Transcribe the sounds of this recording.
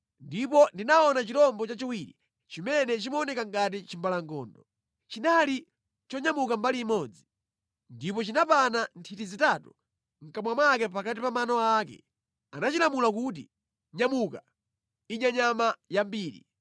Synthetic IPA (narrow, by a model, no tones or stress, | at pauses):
ndipɔndinaɔnat͡ʃitɔmbɔt͡ʃat͡ʃiwiɾḭ | t͡ʃimɛnɛt͡ʃimɔnɛkaŋɡat̬it͡ʃimbalaŋɡɔ̰ːndɔ | t͡ʃinali | t͡ʃɔɲamukambaliːmɔd͡zi | ndipɔt͡ʃinapanantʰitizitatu | ŋ̩kamwamakɛpakatipamanɔakɛ̰ | anat͡ʃilamulakut̬ḭ | ɲamuka | iɲaɲamajambiːɾḭ